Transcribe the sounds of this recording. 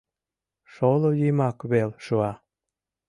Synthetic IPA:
ʃolojymɑkβelʃuɑ

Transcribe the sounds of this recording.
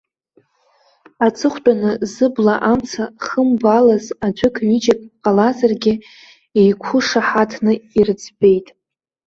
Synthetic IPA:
at͡sʰɨχʷtʼanɨzɨblaʔamt͡sʰaχəmbalazad͡ʒʷʊkʰnid͡ʒakʼqʼalazarɡʲɪ | ejkʷʰʊʂaħatʰnɨirɨt͡sʰbe̞jtʼ

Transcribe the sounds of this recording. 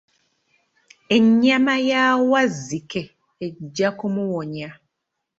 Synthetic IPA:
eɲamajaːwazike | ed͡ʒakomuwɔɲa

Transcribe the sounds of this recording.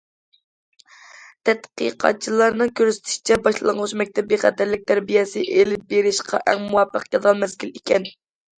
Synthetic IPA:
t̪ʰɛt̪qḭqʰɑ̰t͡ʃʰilˠɑɾnɨŋkʲøɾsɪ̥t̪ʰɪ̥ʃi̥t͡ʃʰɛbɑʃlˠɑŋʁʊʃmɛk̚ʲt̪ʰɛp̚beχæ̰d̪æɾlɪk̚ʲt̪ʰæɾbijɛsɪʔelɪp̚beɾɪʃqʰɑ̰ʔɛ̰ŋmuwɑpʰːəqjɑd̪ɑlˠmɛzɡʲilikʲʰɛn

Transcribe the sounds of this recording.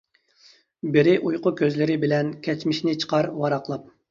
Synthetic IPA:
bɪɾɪʔujqʊkʲʰøzlɪɾɪbɪlɛnkʲʰɛt͡ʃmɪʃnɪt͡ʃʰə̥qʰɑɾwɑɾɑqlˠɑp̚

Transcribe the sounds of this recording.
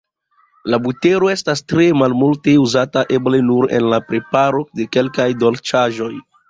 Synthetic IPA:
labute̞ɾo̞e̞stastɾe̞malmulte̞uzataʔe̞ble̞nuɾe̞̰nlapɾe̞paɾo̞de̞ke̞lkajdo̞lt͡ʃaʒo̞j

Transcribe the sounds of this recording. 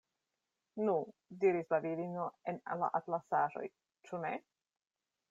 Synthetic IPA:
nudiɾislaviɾino̞e̞nala̰ʔatlasaʒo̞̰j | t͡ʃune̞

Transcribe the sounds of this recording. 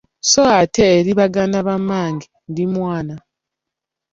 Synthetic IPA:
soateːɾiβaɡanaβamaːŋɡi | ndimwaːna

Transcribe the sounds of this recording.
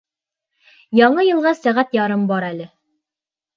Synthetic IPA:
jɑɴɤjɤ̆lˠʁɑsæʁæt̪jɑɾɤmbɑɾælɘ

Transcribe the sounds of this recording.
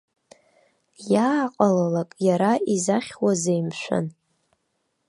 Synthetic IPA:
jaːqʼalalakʼjaɾaizaχʲwazejmʃʷa̰n

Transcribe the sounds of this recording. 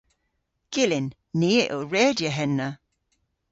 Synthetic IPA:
ɡ̥ɪlɪnː | iːəʔoɹɛːdjəɦɛnːə

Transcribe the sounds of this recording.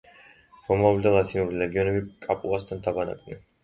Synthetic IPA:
ɾɔmavlid̪alˠat̪ʰinuɾilɛɡiɔnɛbikʼapʼulˠast̪ʰant̪ʰabana̰kʼvnɛ̰n

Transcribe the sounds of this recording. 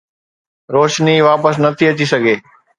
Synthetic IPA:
ɾoːʃniʋaːpəsnɐt̪ʰiɐt͡ɕisɐɡʱeː

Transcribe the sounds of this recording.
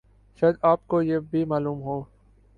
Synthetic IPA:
ʃɐd̪aːp̚kojeːbʱimaːluːmɦoː

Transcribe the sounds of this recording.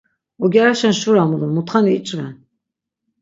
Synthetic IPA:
ɔɡʲɛɾaʃɛnʃuɾamulumut̪χaniit͡ʃʼvɛ̰n

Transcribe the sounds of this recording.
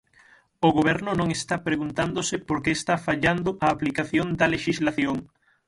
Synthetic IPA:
oɣoβɛɾnʊnõŋest̪apɾeɣunt̪and̪osɪpoɾkeːst̪afaʎand̪ʊʔɐːplikaθjond̪ɐleʃizlaθjoŋ

